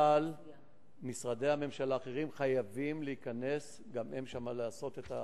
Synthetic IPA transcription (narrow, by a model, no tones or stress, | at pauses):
al | misʁade̞jame̞mʃalaːχeʁimχajavimleikane̞s | ɡame̞mʃamalaːso̞t̪e̞t̪a